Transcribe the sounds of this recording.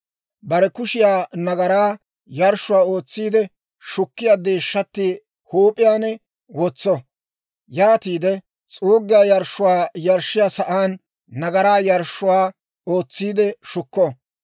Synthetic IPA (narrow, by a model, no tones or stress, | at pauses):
bɐɾɛkʊʃɪjaːnɐɡɐɾaː | jɐɾʃːʊwaːo̞ːt͡sːiːd̪ɛ | ʃʊkːɪjaːd̪e̞ːʃːɐt̪ːi | hoːpʼɪjaːnɛ | wɔt͡sːɔ | jaːt̪iːd̪ɛ | t͡sʼoːɡːɪjaːjɐɾʃːʊwaːjɐɾʃːɪjaːsɐʔaːnː | ɐɡɐɾaːjɐɾʃːʊwaː | oːt͡sːiːd̪ɛʃʊkːɔ